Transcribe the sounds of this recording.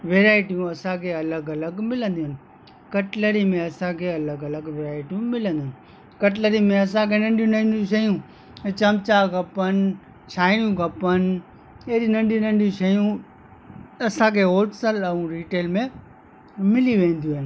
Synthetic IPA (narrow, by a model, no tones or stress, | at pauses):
ʋeːɾaːɪʈijũɐsãkʰeːɐləɡɐləɡmɪlə̃nd̪iɦʊnɪ̆ | kɐʈləɾimẽɐsãkʰeːɐləɡɐləɡʋeːɾaːɪʈijũmɪlə̃nd̪ɪnɪ̆ | kɐʈləɾimẽɐs̬ãkʰeːnɐ̃ɳɖijũnãɪ̃nd̪jũʃ̬ɐjũ | t͡ɕɐmt͡ɕaɡʱɐpən | t͡ʃʰaːɪnjũɡʱɐpən | ɐɦɾinɐ̃ɳɖijĩnɐ̃ɳɖiũʃɐjũ | ɐsãkʰeːɦoːʈsəlɐũɾiːʈeːlmẽ | mɪliʋẽːn̆d̪iuɦnɪ